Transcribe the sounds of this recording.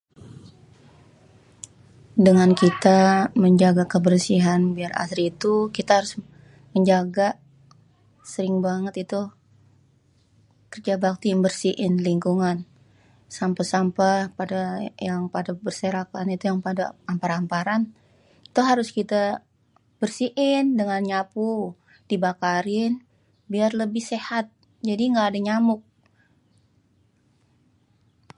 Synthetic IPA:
dəŋankit̪aməɲd͡ʒaɡakəbərsiɦanbiara̰sɾiːt̪ukit̪ahaɾʊs | məɲd͡ʒaɡa | səɾɪŋbaŋət̪it̪u | kərd͡ʒabak̚t̪iːmbərsiʔɪnliŋkuŋan | sampasampapadajaŋpadabərseɾakanit̪ujaŋpadaampaɾampaɾan | t̪uɦaɾʊskit̪a | b̥ərsiʔɪndəŋanɲapu | d̥ibakaɾɪn | biarləbɪhsehat̪̚ | d͡ʒadiŋɡaːdaɲamʊk̚

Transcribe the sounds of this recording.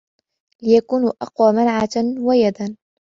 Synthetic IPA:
lɪjakuːnʔɑqwaːmanʕawajad̪an

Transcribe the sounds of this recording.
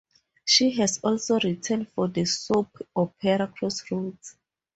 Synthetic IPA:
ʃiɦɛsɔlsoɹitʰɛ̃ndfɔdəsupʰɔpʰɛɹakʰɔsɹut

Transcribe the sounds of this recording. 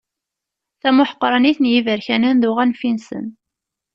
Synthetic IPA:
θæmʊħə̥qːɾˤɑniθənjivəɾçænænðʊʁænfinsə̰n

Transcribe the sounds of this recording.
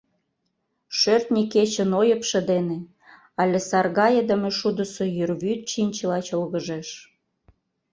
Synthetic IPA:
ʃørt̪nʲiket͡ɕə̆nojə̆pʃĕd̪ene | ɑlʲesɑrɣɑjəd̪ə̆meʃud̪ə̆sojyrβyt̪̚t͡ɕinʲt͡ɕəlɑt͡ɕolɣə̆ʒeʃ

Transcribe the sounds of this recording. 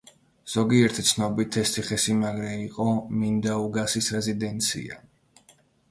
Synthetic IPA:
z̥ɔɡiɛɾt̪ʰi̥t̪sʰnɔbit̪ʰɛst̪ʰiχɛsimaɡɾɛiqʼɔmind̪auɡasisɾɛzid̪ɛnt̪sʰḭa̰

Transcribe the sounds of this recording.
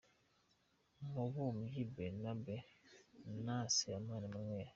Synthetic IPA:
mobumjibɛnabɛ | nasiamanɛmaŋɛja

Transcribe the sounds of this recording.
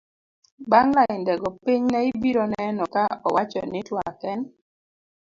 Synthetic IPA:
baŋlaɪndɛɡɔpɪɲnɛɪbiɾɔnɛnɔkaɔ̰wʔat͡ʃɔ̰nɪtwakɛn

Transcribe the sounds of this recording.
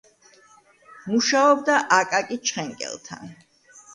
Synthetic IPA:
muʃaɔbd̪aʔakʼakʼit͡ʃʰχɛŋkʼɛ̰lˠt̪ʰa̰n

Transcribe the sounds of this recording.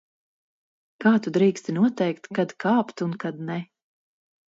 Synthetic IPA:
kaːt̪ud̪ɾiːkst̪inuɔt̪ɛjkt̪kad̪kaːpt̪unkad̪nɛ

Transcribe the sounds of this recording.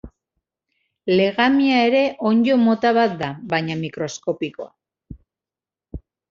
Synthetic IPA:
le̞ɣamiae̞ɾe̞ʔo̞ɲd͡ʒo̞mo̞t̪aβat̪̚d̪aβajɲamikɾo̞sko̞piko̞a̰

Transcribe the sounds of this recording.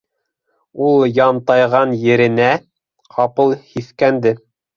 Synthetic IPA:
ulˠjɑmt̪ɑjʁɑnjɘ̆ɾɘ̆næ | qʰɑpɤlˠhiθkænd̪ɘ

